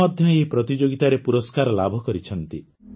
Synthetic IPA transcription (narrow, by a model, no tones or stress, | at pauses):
ɔd̪ʱjɔepɾɔt̪id͡ʒoɡit̪aɾepuɾɔskaɾɔlabʱɔkɔɾit͡ʃʰɔnt̪i